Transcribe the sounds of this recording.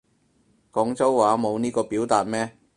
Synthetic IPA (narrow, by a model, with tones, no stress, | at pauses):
kɔː˨˥ŋt͡sɐ˥wːaː˨˥mo˨˧wniː˥kɔː˧piː˨˥wt̪aː˨t̚mɛː˥